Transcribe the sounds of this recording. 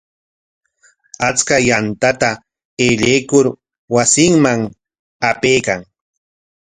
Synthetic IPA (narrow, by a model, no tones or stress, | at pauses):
at͡skajant̪at̪a | eʎejkʊɾ | wasɪŋmaŋ | apejkaŋ